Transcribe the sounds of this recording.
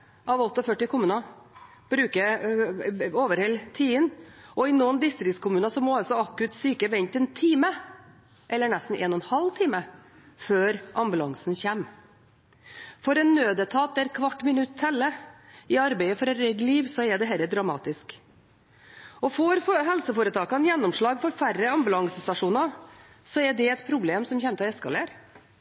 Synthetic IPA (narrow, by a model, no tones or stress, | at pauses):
ʔɑʋɔt̪ːəɔfœʈːɪkʰʊmʉːnɑ | b̥ɾʉːkə | oːʋəɾhɛlt̪ʰiːənʔɔɪnuːnd̪ɪst̪ɾɪkt̪skʊmʉːnɑsɔmɔɑlsɔɑkʉt̪syːkəʋɛɲt̪ɛnt̪ʰiːmə | ʔɛlːəɳɛst̪n̩ʔḛːnɔnhɑlːt̪ʰiːmə | føːɾʔɑmbʉlɑŋsn̩çæːm | fɔɾɛnːøːd̪ət̪ʰɑːt̪̚d̪æɾkʰʋɑʈːmɪnʉt̪ʰːɛlːəɪɑɾbæɪəfɔɾɛnɾɛɡ̪liːʋsɔɛd̪ɛɦɛɪləd̪ɾɑmɑ̰ːt̪ɪsk | ɔfoɾɦɛlsəfoːɾət̪ʰɑːkɑnjɛnːɔmʂɭɑːɡfɔɾfærəɑmbʉlɑŋsəst̪ɑʂuːnɑ | sɔɛɖɛɛt̪pʰɾʊbleːmsɔmçɛːmət̪ɛskɑleːɾ